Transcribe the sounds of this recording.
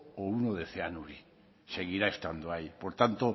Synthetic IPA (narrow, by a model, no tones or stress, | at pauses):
ounoðeθeanuɾi | se̞ɣ̞iɾae̞st̪and̪oaipoɾt̪ant̪o